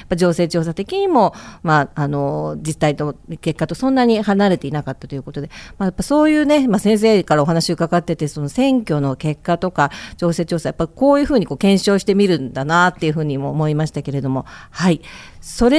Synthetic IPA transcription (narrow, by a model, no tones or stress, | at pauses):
japːaʑo̞ːse̞ːt͡ɕo̞ːs̬at̪e̞kʲiɲ̟imo̞maːno̞d͡ʑit̪ːait̪o̞ke̞kːat̪o̞sõ̞nːaɲ̟ihanaɾe̞t̪e̞inakat̪ːḁt̪o̞jɯ̟ko̞t̪o̞d̪e̞majapːaso̞ːjɯ̟ːne̞masẽ̞ɰ̃s̬e̞ːkaɾao̞ɦanaɕio̞kaɡat̪ːe̞t̪e̞so̞no̞sẽ̞ŋkʲo̞no̞ke̞kːat̪o̞kad͡ʑ̥o̞ːse̞ːt͡ɕo̞ːsajapːaiko̞ːjɯ̟ːɸɯ̟ːɲ̟iko̞ːkẽ̞ɰ̃ɕo̞ːɕi̥t̪e̞mʲiɾɯ̟nd̪anat̪ːe̞jɯ̟ɸɯ̟ːɲ̟imoːmo̞imaɕi̥t̪ake̞ɾe̞d̪o̞mo̞haiso̞ɾe̞